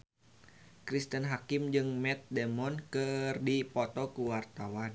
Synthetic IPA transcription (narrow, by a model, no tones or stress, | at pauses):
kɾist̪ənɦakɪmd͡ʒɨŋmɛt̪̚dɛmɔnkɨrdipɔt̪ɔkuwart̪awan